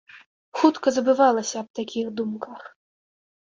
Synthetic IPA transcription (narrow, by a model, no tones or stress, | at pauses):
xut̪kɐzɐbɨvalˠɐsʲɐːb̚t̪akʲixd̪umkɐx